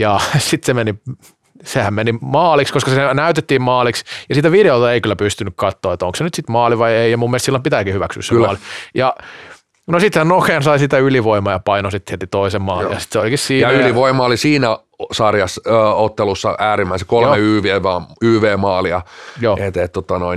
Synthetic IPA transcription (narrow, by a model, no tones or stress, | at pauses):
jɑsit̪semeni | sehæmmenimɑːlikskoskɑsenæyt̪et̪ːiːmmɑːliksjɑsiːt̪æʋideolt̪ɑeikylːˑæpyst̪ynykkɑt̪ːoːet̪oŋksenyt̪sit̪mɑːliʋɑieijɑmumːielest̪silːompit̪æːkihyʋæksy̰ːsemːlijɑ | nosit̪hænnokeɑnsɑisit̪æyliʋoimɑjɑpɑinosit̪siet̪it̪oisemmɑːlijɑsi̥t̪seolikissiːjɑyliʋoimɑolisiːnæ | sɑrjɑsøːot̪ːelusːɑ̰æːɾimːæisekolmeyːʋeːʋɑːyːʋeːmɑːliɑ̰joːʔet̪et̪t̪ːot̪ːɑnoi